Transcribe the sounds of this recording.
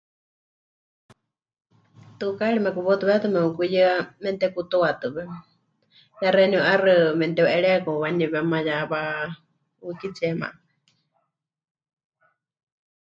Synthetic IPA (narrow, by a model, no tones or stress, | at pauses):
t̪ɨkaɺimɛkuβɔt̪uβɛt̪ɨmɛukujɨamɛnt̪ɛkut̪owat̪ɨβɛ | jaɾɛniuʔarɨmɛnt̪ɛwʔɛɺɛkɔwaniβɛmajaβa | ukit͡sʰiɛma̰ʔ